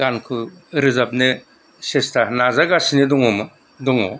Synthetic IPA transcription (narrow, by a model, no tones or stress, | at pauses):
ɡankʰɯɾɯzab̚ne | sestʰanazaɡasinedɔŋɔmɯ | dɔŋɔ̰